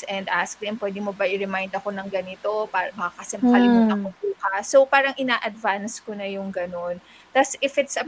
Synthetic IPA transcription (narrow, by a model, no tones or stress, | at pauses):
ʔɛnd̪ʔasklɪmpwɛːd̪ɪmobɐʔɪɾɛmajnd̪ɐko̞nɐŋɡɐnɪt̪o̞pabɐkakɐsɛmkɐlɪmʊnɐkobuːkɐsopaːɾɐŋʔɪnaːʔɐd̪vanskonɐjʊŋɡɐno̞n | t̪asɪfɪt̪sɐ